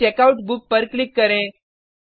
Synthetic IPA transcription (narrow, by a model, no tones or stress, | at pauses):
ekauʈbuk̚pəɾklikːəɾẽ